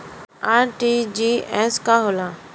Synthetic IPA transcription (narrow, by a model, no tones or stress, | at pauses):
aːɾʈiːd͡ʒiːɛːskaːɦolaː